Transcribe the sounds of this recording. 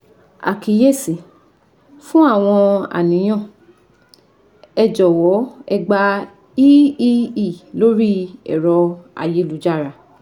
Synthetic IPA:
a̰˨kʰi˨˦je˦˨sĩ˨ | fũ˦a˦˨w̃ɔ̃˧a̰˨nĩ˨˦j̃ɔ̃˦˨ | ɛ˧d͡ʒɔ˨wɔ˨˦ɛ˧ɡ͡ba˧ | i˦i˦i˦˨lo˦ɾi˦ɛ̰˨ɾɔ˧a̰˧˨je˧˦lu˨˦d͡ʒa˦˨ɾa˨

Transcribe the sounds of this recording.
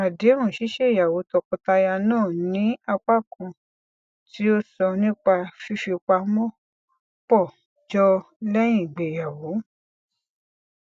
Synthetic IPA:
a˨de˨˦ɾ̃ũ˦˨ʃi˨˦ʃe˦˨ja˨wo˨˦tɔ˧kɔ̃˧ta˧ja˧nãː˦˨nĩ˨˦a˧k͡pa˦˨kũ˧ | ti˦o˦sɔ˧nĩ˦k͡pa˧ʃu˦ʃe˧k͡pa˧mɔ̃˦˨ | k͡pɔ˦˨ | d͡ʒɔ˧ | lɛ˦j̃ĩ˦˨ɡ͡be˨ja˨wo˨˦

